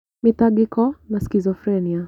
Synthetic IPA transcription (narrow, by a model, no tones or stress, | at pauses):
mitaɡikɔnaskizɔfɾɛnia